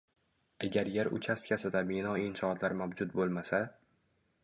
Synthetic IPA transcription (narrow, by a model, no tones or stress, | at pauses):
aɡʲaɾjeɾʊ̰t͡ʃʰast̪kʲasɪd̪abɪnɒɪnʃɒt̪ʰlaɾmawd͡ʒʊt̪̚bolˠmasa